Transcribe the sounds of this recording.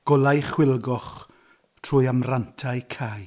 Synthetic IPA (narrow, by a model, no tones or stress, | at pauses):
ɡ̥ɔlˠajχwɪlˠɡɔχ | tʰruːjamrantʰajkʰaj